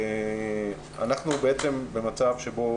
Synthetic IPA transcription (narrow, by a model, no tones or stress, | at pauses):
a̰naχnubeet͡se̞mbe̞mat͡savʃebo̞